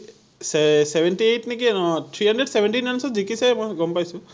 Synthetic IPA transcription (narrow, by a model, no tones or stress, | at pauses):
sseʋeɳʈiejʈnikit̪ʰɾiɦɐɳɖɾeɖseʋeɳʈinansɔ̃d͡ʒikisemɔɡɔmpajsu